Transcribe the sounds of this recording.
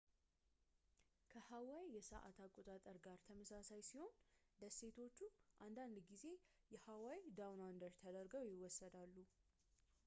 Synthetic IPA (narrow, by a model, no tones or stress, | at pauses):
kʰəhawawjɛsəʔa̰t̪ʰakʼo̞t̪ʼat̪ʼəɾɡaɾt̪ʰəməsasajsiho̞nd̪əse̞t̪ʰo̞t͡ʃːuʔand̪and̪ɡize̞ | jɛhawawd̪awnand̪əɾt̪ʰəd̪əɾɡəwjɪwɔsːəd̪alːu